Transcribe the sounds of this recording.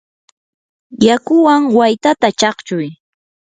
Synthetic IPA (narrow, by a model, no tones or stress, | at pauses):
jakʊwaŋwajt̪at̪at͡ʃɑχt͡ʃʊj